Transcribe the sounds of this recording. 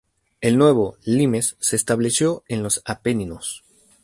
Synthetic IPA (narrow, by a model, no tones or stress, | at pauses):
e̞lnwe̞βo̞lime̞sːe̞ːst̪aβle̞sjo̞e̞nlo̞sapeninos